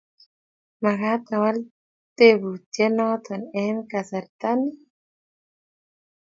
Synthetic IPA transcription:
ma˨ɡa˦t̪a˨wa˦l | t̪e˦bu˨t͡ʃe˦nɔ˦t̪ɔ˨nɛ˦nka˨sa˨ɾt̪a˦ni˦

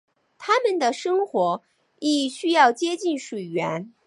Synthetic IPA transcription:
t̪ʰa˥mə˨nd̪ə˩ʂɤ˥ŋxwɔ˧˥ | i˥˩ɕy˥jɑ˥˩ʊt͡ɕjɛ˥t͡ɕi˥˩nʂwe˨˩ɪɥɛ˧˥n

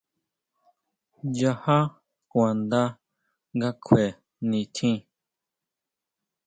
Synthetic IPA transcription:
ja˧ha˦ | kwã˨nd̪a˦ | ŋɡa˦kʰwe˨ | nĩ˧t̪ʰĩ˦

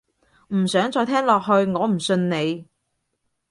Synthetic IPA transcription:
m̩˨˩sœː˨˥ŋt͡sɔː˧jt̪ʰɛː˥ŋlɔː˨k̚ɦɵ˧ɥŋɔː˨˧m̩˨˩sɵ˧nne˨˧j

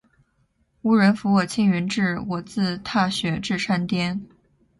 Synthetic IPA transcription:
u˧˥ɻə˧˥nfu˧˥wɔ˨˩t͡ɕʰi˥ŋɥy˧˥nʈ͡ʂɻ̩˥˩wɔ˨˩t͡sɹ̩˥˧t̪ʰa˥˩ɕɥɛ˧˥ʈ͡ʂɻ̩˥˩ʂʰa˥nt̪jɛ˥n

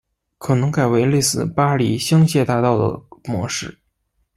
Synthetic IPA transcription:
kʰɤ˨˩nɤ˧˥ŋka˨˩ɪwe˧˥ɪle˥˧ɪsɹ̩˥˩pa˥li˨˩ɕjɑ˥ŋɕjɛ˥˧t̪a˥˧t̪ɑ˥˩ʊd̪ə̰˩mwɔ̰˧˥ʂɻ̩˥˩

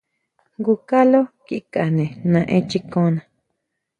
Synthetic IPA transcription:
ŋɡu˧ka˦lo˦ki˦˨ka˨nẽ˨nã˧ʔẽ˦t͡ʃi˦kõ˧˦nã˨

